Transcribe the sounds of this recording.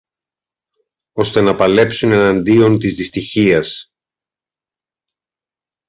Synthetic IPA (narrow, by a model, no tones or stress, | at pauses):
o̞st̪e̞nɐpɐle̞psune̞nɐnd̪io̞nt̪izðist̪içiɐs